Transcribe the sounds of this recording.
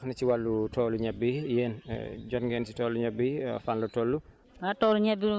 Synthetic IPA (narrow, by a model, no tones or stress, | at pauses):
xnit͡ʃiwalːutɔːluɲɛbːijɛːn̰d͡ʒɔnɡɛnt͡ʃitɔːlːuɲɛbːifanlɔtɔːlːu | atɔːluɲɛbi